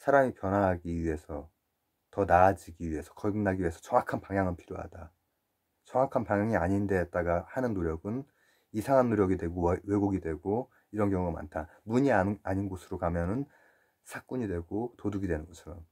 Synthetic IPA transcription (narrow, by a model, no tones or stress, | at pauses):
sʰaɾamipjʌnɦaɦaɡiɥiɦe̞sʰʌ | tʌnad͡ʑiɡiɥie̞sʰʌ̥kʌɭɡɯnːaɡiɥiesʰʌt͡ɕʌŋakʰanpaŋjaŋɯnpʰiɾjoɦa̰d̥a | t͡ɕʌŋwakʰanpaŋjaŋiaɲinde̞t̚t͈aɡahanɯnːoɾjʌɡɯn | isʰaŋɦanːoɾjʌɡidwe̞ɡowe̞ɡoɡidwe̞ɡo | iɾʌnkjʌŋuɡama̰ntʰamuɲiaaɲinɡosʰɯɾokamjʌnɯn | sʰak͈uɲidwe̞ɡotoduɡidwe̞nɯnɡʌt͡ɕʰʌɾʌm